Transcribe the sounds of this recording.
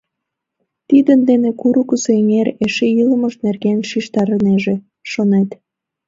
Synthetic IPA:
t̪id̪ənd̪enekuɾukəseeŋeɾeʃejiləməʃnerɣenʃiʃt̪ɑɾəneʒe | ʃonet̪

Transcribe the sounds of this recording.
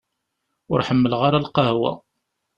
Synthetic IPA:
ʊɾħəmːəlʁaɾalqɑhwæ̰

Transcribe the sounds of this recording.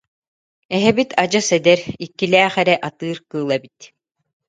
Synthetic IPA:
ɛɦɛbit̪ʰad͡ʑɯsɛd̪ɛɾikːilæːχɛɾɛʔat̪ɯːɾkɯːlˠɛbit̪

